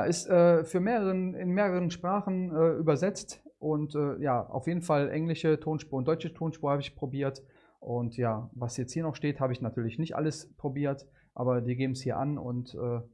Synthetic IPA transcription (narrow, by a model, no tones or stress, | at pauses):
jaːʔɪstʔɛːfyːɐmeːʁəʁənɪnmeːʁəʁ̞ənʃpʁ̥aːχn̩ɛːʔyːbɐzɛt͡stʔʊntʔɛːjaːʔa̰ʊfjeːdn̩falʔɛ̰ŋlɪʃətʰoːnʃpoːnd̥ɔʏt͡ʃətʰoːnʃpoːhaːbəɪçpʁ̥obiːɐt | ʔʊntjaːvashjɛt͡sthiːɐnɔχʃteːthaːbəɪçnatʰyːɐlɪçnɪçtʔa̰ləspʁ̥obiːɐt | ʔa̰ːbɐdiːɡeːbm̩shiːɐʔa̰nʊ̰ntʔɛː